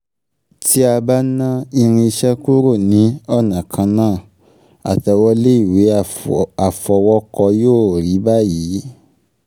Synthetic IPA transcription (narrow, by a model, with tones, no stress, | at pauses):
ti˦a˧ba˦nã˦i˧ɾ̃ĩ˧i˧ʃɛ˦ku˦ɾo˦˨nĩ˨˦ɔ˦˨nã˨kʰã˧nãː˦˨ | a̰˨tɛ˨˧wɔ˦le˦i˦˨we˨˦a˨fɔ˧wɔ˦kɔ˧joː˦˨ɾi˨˦ba˦ji˨˦